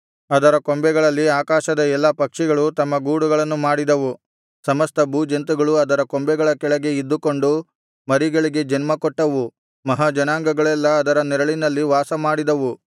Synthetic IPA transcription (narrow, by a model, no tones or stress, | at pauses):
ɐd̪ɐɾɐkombɛɡɐɭɐlːiaːkaːʃɐd̪ɐɛlːɐpɐkʂiɡɐɭut̪ɐmːɐɡuːɽuɡɐɭɐnːumaːɽid̪ɐʋu | sɐmɐst̪ɐbuːd͡ʒɐnt̪̬uɡɐɭuɐd̪ɐɾɐkombɛɡɐɭɐkɛɭɐɡe̞id̪ːukoɳɖu | mɐɾiɡɐɭiɡe̞d͡ʒɐnmɐkɔʈːɐʋu | mɐɦɐd͡ʒɐnaːŋɡɐɡɐɭɛlːɐːd̪ɐɾɐnɛɾɐɭinɐlːiʋaːsɐmaːɽid̪ɐʋu